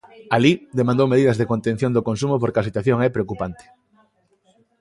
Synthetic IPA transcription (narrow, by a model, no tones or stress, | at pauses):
alid̪emãnd̪owmeðiðɐzðekont̪ẽn̟θjond̪okonsumopoɾkasit̪waθjoŋɛpɾeokupant̪e̥